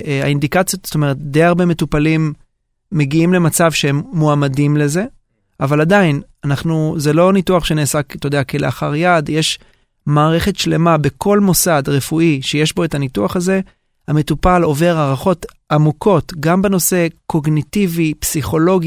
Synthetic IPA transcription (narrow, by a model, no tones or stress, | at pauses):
a̰indikat͡sjotz̥o̥t̪o̞me̞ʁ̞et̪̚d̪ejaʁbe̞me̞tupalimː | e̞ɡiimle̞mat͡savʃeɦemːoamadimle̞ze̞ | avaladainanaχnuzelo̞nituaχʃeneːsakt̪od̪eakeleaχaʁjadjeʃ | maːʁe̞χe̞tʃle̞mabe̞kʰo̞lmo̞sadʁefuʔiʃejeʃbo̞etanituaχaze̞ | hame̞tupalo̞ve̞ʁaʁaχo̞t | amukʰo̞tɡambe̞no̞se̞ko̞ɡnitivipsiχo̞lo̞ɡi